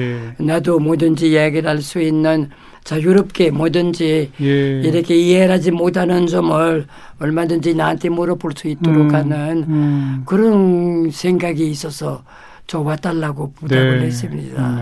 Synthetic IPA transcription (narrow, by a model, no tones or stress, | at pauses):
nadomodɯnd͡ʑijeɡiɾɦaɭs͈uinːɯn | t͡ɕajuɾʌp̚k͈e̞mʌdɯnd͡ʑiː | ɾʌkʰe̞ieɾad͡ʑimotʰanɯnd͡ʑʌmɯɭ | ʌɭmadɯnd͡ʑinaːntʰe̞moɾʌpoɭs͈uit͈oɾokʰanɯnkɯɾʌnsʰe̞ŋɡaɡiːs͈ʌsʰʌ | t͡ɕʌwat͈ʰaɭːaɡopodaɯɾɦe̞s͈ɯmɲḭd̥a̰